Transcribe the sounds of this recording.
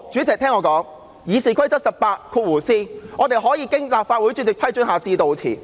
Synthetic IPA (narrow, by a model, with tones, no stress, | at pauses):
t͡ʃyː˨˥t͡sɪ˨k̚t̪ʰɛː˥ŋɔː˨˧˥kɔː˨˥ŋ | jiː˨˧siː˨˩kʰɐ˥jt͡sɐ˥t̚sɐ˨p̚paː˧tkʰuː˧t̚wuː˨˩siː˥ŋɔː˨˧t̪e˨jɦɔː˨˥jiː˨˧kɪ˥ŋlaː˨p̚faː˧t̚wu˨˥jt͡ʃy˧˥t͡sɪ˨k̚pʰɐ˥jt͡ʃɵ˥nhaː˨˧t͡siː˧t̪o˨˧wt͡sʰiː˨˩